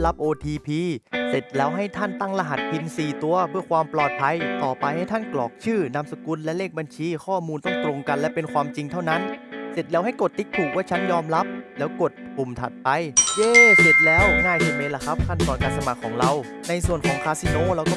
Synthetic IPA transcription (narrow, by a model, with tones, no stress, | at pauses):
la˦˥p̚ʔoː˧t̪ʰiː˧pʰiː˧se˨˩t̪̚lɛː˦˥wɦa˥˩jt̪ʰa˥˩nt̪a˥˩ŋla˧ɦa˨˩t̪̚pʰi˧nsiː˨˩t̪u˧ɐbʰɯ˥˩ɐkʰwaː˧mplɔː˨˩t̪̚pʰa˧jt̪ɔː˨˩pa˧jha˥˩jt̪ʰa˥˩nklɔ̰ː˨˩k̚t͡ɕʰɯː˥˩na˧msa˧ku˧nlɛ˦˥leː˥˩k̚ba˧nt͡ɕʰiː˧kʰɔː˥˩muː˧nt̪ɔ˥˩ŋt̪ɾo˧ŋka˧nlɛ˦˥pe˧nkʰwaː˧mt͡ɕi˧ŋt̪ʰa˥˩wna˦˥nse˨˩t̪̚lɛː˦˥wɦa˥˩jko˨˩t̪ːi˦˥k̪̚t̪ʰuː˨˩k̚waː˥˩t͡ɕʰa˦˥njɔː˧mla˦˥p̚lɛː˦˥wko˨˩t̪̚pu˨˩mt̪ʰa̰˨˩t̪̚pa˧jjɤː˧˩se˨˩t̪̚lɛː˦˥wŋaː˥˩jʰiː˧˩meː˧˥la˧˩kʰa˦˥p̚kʰa˥˩nt̪ɔː˧nkaː˧nsa˧ma˨˩kʰːɔː˩˦ŋɾa˧w | na˧jsu˨˩ənkʰɔː˩˦ŋkʰaː˧˥si˧noː˧˥˨ɾa˧wkɔː˥˩